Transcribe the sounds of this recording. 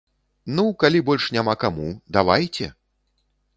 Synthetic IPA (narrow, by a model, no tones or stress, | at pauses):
nukalʲibɔlʲʂnʲamakamud̪avajt͡sʲɛ